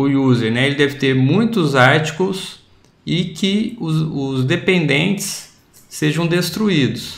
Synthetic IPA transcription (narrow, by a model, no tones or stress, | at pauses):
ʊjuzeɾnɛelɪd̪ɛvɪt̪eɾmũj̃t̪ʊzaɾt͡ʃi̥kʊs | ɪkɪʊʊzd̪epẽnd̪ẽnt͡ʃɪ̥sː | eʒɐ̃w̃d̪est̪ɾuid̪ʊs